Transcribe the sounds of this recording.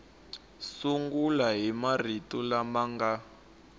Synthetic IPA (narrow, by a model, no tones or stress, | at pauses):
suŋɡulaɦimaritulamaŋɡa